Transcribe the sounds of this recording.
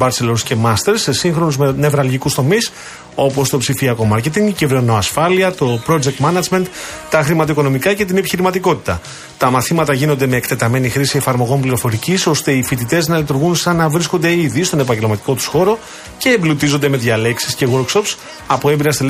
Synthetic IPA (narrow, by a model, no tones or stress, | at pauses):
bɐɾse̞losce̞mɐst̪e̞ɾssiŋxɾo̞nuzmene̞vɾɐlʝikust̪o̞mis | o̞po̞st̪o̞psifiɐko̞mɐɾce̞t̪iɲciveɾno̞ɐsfɐliɐt̪o̞pɾo̞d͡ʒe̞k̚t̪mɐnɐd͡ʒme̞nt̪t̪ɐxɾimɐt̪oiko̞no̞mikɐce̞t̪̬ine̞piçiɾimɐt̪iko̞t̪i̥t̪ɐ̰ | t̪ɐmɐθimɐt̪ɐʝinond̪eme̞ːkt̪e̞t̪ɐme̞nixɾisie̞fɐɾmo̞ɣo̞mpliɾo̞fo̞ɾiciso̞st̪e̞ifit̪̬it̪e̞znɐlit̪uɾɣunsɐnɐvɾisko̞nd̪e̞iðist̪o̞ne̞pɐɲɟe̞lmɐt̪i̥ko̞t̪u̥sxo̞ɾo̞ | ce̞ːmblut̪izo̞nd̪eme̞ðʝɐle̞ksi̥sce̞ɣo̞ɾkso̞ps | ɐpoembiɾɐst̪el